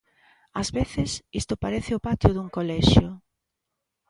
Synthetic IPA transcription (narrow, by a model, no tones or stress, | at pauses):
azβeθɪsist̪ʊpaɾeθɪopat̪jʊðuŋkolɛʃjʊ